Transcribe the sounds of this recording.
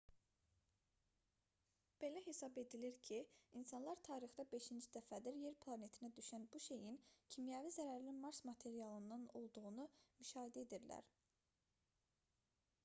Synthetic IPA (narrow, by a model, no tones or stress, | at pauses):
b̥e̞læɦe̞sɑbe̞d̪iliɾcʰiinsɑnlˠɑɾt̪ʰɑːɾixd̪ɑbe̞ʃind͡ʒid̪̥æfæd̪iɾje̞ɾpʰlˠɑne̞t̪ʰinæd̪yʃænbuʃe̞jincʰimjævizæɾæɾlimɑɾsmɑt̪ʰe̞ɾijɑlˠɯnd̪ɑno̞lˠd̪uɣunumyʃɑːɦed̪æed̪iɾlæ̰ɾ